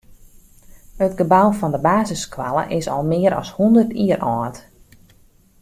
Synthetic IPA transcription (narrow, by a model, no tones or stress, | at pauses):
hətɡəbawfɔndəbaːzəskwalˠə̰ʔɪsɔ̰lˠmɪːəɾʔɔ̰shundərtʰiərɔːt